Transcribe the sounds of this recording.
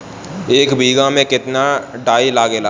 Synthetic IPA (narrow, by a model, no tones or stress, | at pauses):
eːkbʱiːɡãmẽkɪt̪naɖaːilaːɡelaː